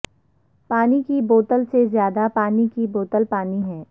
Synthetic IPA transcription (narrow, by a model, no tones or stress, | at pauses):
paːnikiboːt̪əlsezjaːd̪apaːnikiboːt̪əlpaːniɦɛː